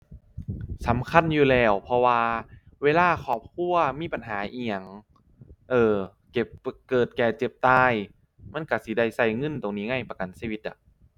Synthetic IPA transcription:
sa˨˩˦mkʰa˧˥˨njuː˨˩lɛː˧˩wpʰɔ˧waː˧ | weː˧laː˧˥˩kʰɔː˨˩p̚kʰu˧˥˩ɐmiː˧˥˨pa˨nɦaː˩˦ʔiː˧ja˨˩ŋ | ʔɤː˧˩ | ke˨˩p̚kɤː˨˩t̪̚kɛː˨˩t͡ɕe˨˩p̚t̪aː˧j | ma˧˥˨nka˧˩si˧˦da˧˩jsa˧˩jŋɤ˧˥˨nt̪o˨˩ŋniː˦˥˩ŋa˧˥˩jpa˧ka˨nsiː˧wi˧t̪̚ʔa̰˧˩

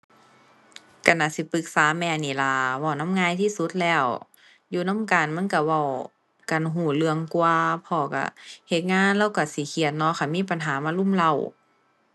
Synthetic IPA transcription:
ka˧˩nʔaː˧˩si˧˦pɯ˧˦k̚saː˨˦mɛː˧˩niː˧˩˨la˧˩waː˧˩na˧˥˨mŋaː˧˨jt̪ʰiː˧˨su˧˦t̪̚lɛː˧˩˨w | juː˧˩na˧˥˨mkaː˨˩nma˧˥˨nka˧˩wa˧˩w | ka˨nɦuː˧˩lɯ˧əŋku˧əpʰɔː˧˩ka̰˧˩he˧˦t̪̚ŋaː˧˥˨nlɛː˧˥˨wka˧˩si˧˦kʰi˧˩ət̪̚nɔ˧˥˨kʰa˧˩miː˧˥˨pa˨nɦaː˨˦maː˧˥˨lu˧˥˨mla˧˩˨w

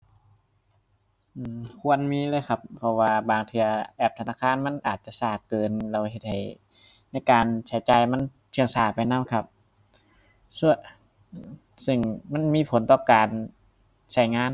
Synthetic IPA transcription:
ʔɯː˧kʰu˧˥ənmiː˧˥˨lɤː˧˥˨jkʰa˧pʰːɔ˧waː˧baː˨˩ŋt̪ʰɯ˧ɐʔɛː˧˩p̚t̪ʰa˧naː˧˥˩kʰaː˧˥˨nma˧˥˨nʔaː˨˩t̪̚t͡ɕa˧˨saː˧˩kkɤː˨˧nla˧whe˧˩t̪̚ha˨˩j | na˧˥˩jkaː˨nt͡ɕʰa˨˦jt͡ɕaː˨˧jma˧˥˨n | t̪ʰɯ˧ə˨ŋsaː˧˩pa˨jnaː˧˥˨mkʰa˧˩p̚ | su˧˩ | sɯ˧˩ŋma˧˥˨nmiː˧˥˨pʰo˨˦nt̪ɔː˧˩kaː˨n | sa˧˩jŋaː˧˥˨n

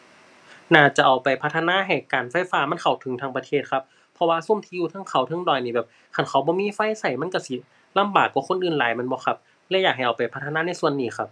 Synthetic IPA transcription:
naː˧˩t͡ɕa˨˧˩ʔa˨˩wpa˨˩jpʰa˧t̪ʰːnaː˧˥˨ɦa˧˩kaː˨˩nfa˧˩jfaː˧ma˧˥˨nkʰa˨˩wt̪ʰɯ˨˦ŋt̪ʰaː˧˥ŋpa˧t̪ʰeː˧˩t̪̚kʰa˧p̚ʰː | ɔ˧waː˧su˧˥˨mt̪ʰiː˧˨juː˧t̪ʰaː˧˥˨ŋkʰa˧˩wt̪ʰɤ˧˥ŋdɔː˨˩jniː˧bɛː˨˩p̚ | kʰa˧˩nkʰa˧˨˩wbɔː˧˦miː˧˥˨fa˧˥˨jsa˧˩jma˧˥˨nka˧˩si˧˩ | la˧˥˨mbaː˨˩kːwaː˧˩kʰo˧˥˨nʔɯː˧˨˩nlaː˨˦jma˧˥˨nbɔː˧˦xʰa˧p̚ | lɛ˧˥wjaː˨˩k̚ɦa˨˩jʔa˨˩wpa˨˩jpʰa˧˥t̪ʰːa˧naː˧˥˨na˧˩˨su˧˨ənːiː˧˩xa˧˥p̚

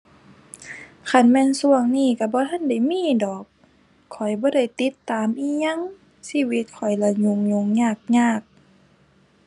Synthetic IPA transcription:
kʰa˧˩nmɛː˧˥˨nsu˧˩əŋniː˧˥˨ka˧˩bɔː˧˦t̪ʰa˧˥˨nda˧˩˨jmiː˧˥˨dɔː˨˩k̚ʰː | ɔ˨˩jbɔː˧˦ɾa˧˩jt̪i˧˦t̪ːaː˨˦mʔiː˧˥˨ɲa˧˥˨ŋ | siː˧˥˨wi˧˦t̪̚kʰɔ˨˩jla˧˩ɲu˧˨ŋɲo˧˦ŋɲaː˧˩k̚ɲaː˧˥˩k̚

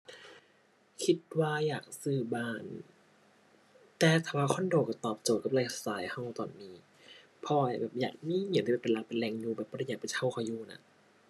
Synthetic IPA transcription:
kʰi˧˥t̪̚waː˧jaː˨˩k̚sɯː˧˩baː˧˩n | t̪ɛː˨˧t̪ʰaː˨˧˩waː˧kʰɔ˧˥˨ndoː˨˩kːa˧˩t̪ɔː˨˩p̚t͡ɕoː˨˩t̪̚ka˧˦la˧˩sa˧saː˨˦jha˧˩˨wt̪ɔː˨˩nmiː˧˦ | pʰɔː˧a˧˩bɛː˨˩p̚jaː˨˩k̚miː˧˥˨ɲ˧˩˦t̪ʰiː˧ɛː˨˩pe˨la˧k̚pe˨nlɛː˧˨ŋjuː˧bɛː˨˩p̚bɔː˧ɾa˧jaː˨˩kpt̪ʰa˧˩wkʰa˧˩juː˧˩na̰˧˦

